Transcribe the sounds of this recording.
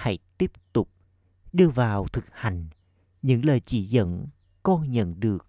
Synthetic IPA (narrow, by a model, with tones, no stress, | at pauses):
ha̰˧˥jt̪i˦˥əp̚t̪ʊ˨˩k͡p̚ | ɗɨ˧əvaː˨˩wt̪ʰɨ˨˩k̚ha˨˩jŋ̟ | ɲɨ̰˧˥ŋləː˨˩jt͡ɕi˧˩˦zə̰˧˥n | kɔ˧ɲə̰˧˨nɗɨ˨˩ək̚